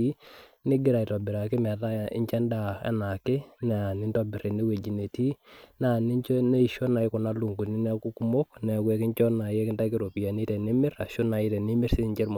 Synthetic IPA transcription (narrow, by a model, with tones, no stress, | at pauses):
i˦ | nɪ˦ɡɪ˦ɾa˨i˨tɔ˨bɪ˨ɾa˨kɪ˦mɛ˨ta˦jɪ̰˦ɲt͡ʃɛ˦nda˦˨ɛ̰˦na˨kɪ˦nɛ˨a˨ni˦ntɔ˦bɪ˨ɾe˨ni˦we˨d͡ʒi˨ne˨ti˦na˦˨ni˦t͡ʃne˦i˨ʃɔ˦na˨ɪ˦kʊ˨na˦lu˨ŋɡu˨ni˦nɛ˦ku˦ku˦mo˦knɛ˨kwɛ˦kɪ˦ɲt͡ʃɔ˦na˨jɛ˦kɪ˦da˦kɪ˦ɾo˨pi˨a˨ni˦tɛ˨ni˦mɪ˦ɾa˨ʃo˦na˨ɪ˦tɛ˨ni˦mɪ˦ɾsi˦ɲt͡ʃɛ˦ɾm